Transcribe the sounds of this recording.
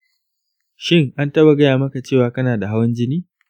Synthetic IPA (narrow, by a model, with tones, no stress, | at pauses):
ʃɪ˦ŋʔa˦ntɐ˦ba˨ɡɐ˦jaː˨mɐ˦ka˨t͡ʃeː˦˨waː˦kɐ˦naː˨da˨ɦa˦wɐ˦nd͡ʒɪ˦niː˦